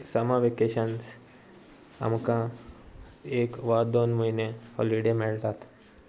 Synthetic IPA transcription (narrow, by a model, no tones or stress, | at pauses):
səmaʋekeːʃəns | ɐ̰mkã | eːkʋaːd̪oːnmuinehɔ̰liɖemɪɭt̪aːt̪ʰ